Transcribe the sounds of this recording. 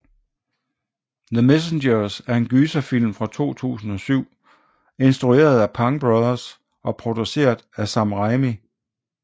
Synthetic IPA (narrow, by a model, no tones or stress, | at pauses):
ðəmes̬endɐsæɐe̝nɡ̥yːsæfil̰mfʁɑ̈t͡sʰo̝̰ːt͡sʰṵːsn̩ɒ̽syʊ̰ | e̝nsd̥ʁue̝̰ːɐð̞ˠæpʰɑ̈ŋb̥ʁɑðˠɐs | ɒ̽pʰʁo̝d̥use̝̰ːɐðˠæsɑ̈mʁɑɪmi